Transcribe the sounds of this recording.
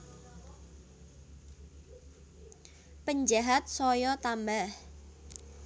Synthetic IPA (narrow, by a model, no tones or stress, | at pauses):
pəɲd͡ʒaɦat̪̚sɔjɔt̪ambah